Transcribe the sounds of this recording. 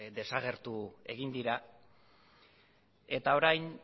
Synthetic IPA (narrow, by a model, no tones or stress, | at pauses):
d̪e̞saɣ̞e̞ɾt̪ue̞̰ɣ̞ind̪iɾa | e̞t̪ao̞ɾajn